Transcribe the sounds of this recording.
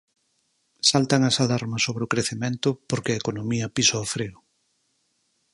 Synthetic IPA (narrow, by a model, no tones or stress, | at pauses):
salt̪aŋɐsalaɾmɐsoβɾeʊkɾeθemẽnt̪ʊpoɾkeɐekonomiɐpisoofɾeɾʊ